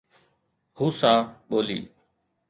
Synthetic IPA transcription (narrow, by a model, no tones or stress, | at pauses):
huːsãːɓoːlḭː